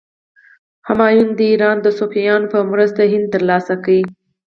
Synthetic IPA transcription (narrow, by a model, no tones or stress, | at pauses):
hamɑjund̪əiɾɑnd̪əsofijɑnpəmɾəst̪aɦɪnd̪̚t̪əɾlɑsakawi